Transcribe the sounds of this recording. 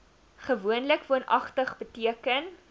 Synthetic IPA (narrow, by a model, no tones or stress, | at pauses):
χəvuənləkvuənʔɐ̰χtəχbətiəkən